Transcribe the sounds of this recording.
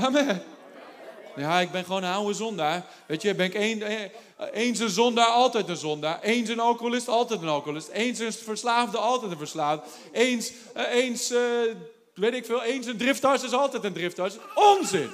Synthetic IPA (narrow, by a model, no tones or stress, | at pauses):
amɛ | jaːɪk̚bɪnχʋoːnnawəzɔndaː | ʋejtjəbɪnɪken | eːns̬ənzɔndaːɔlˠtɛjtənzɔndaːʔejns̬ənɔlˠkolɪstɔlˠtɛjtənɔkolɪstensənfəɹslaːfdəɔlˠtɛtənfəɹslaːfdə | eːns | eːns | ʋeːtɪkfɪːlˠeːnsəndrɪftɔsɪsɔlˠtɛjtəndrɪftɔsonzɪn